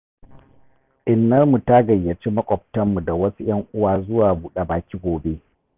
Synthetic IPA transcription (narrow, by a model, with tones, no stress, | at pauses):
ʔɪ˨nːɐ˦rmu˨ta˦ɡɐ˨jːɐ˨t͡ʃiː˦mɐ˦kʷʼɔ˨b̚tɐ˦mːu˨da˨wɐ˦su˦j̰ɐ˦ŋʔʷʊ˦waː˨zʊ˦waː˨buː˦ɗe˦baː˨kʲiː˦ɡʷoː˨be˦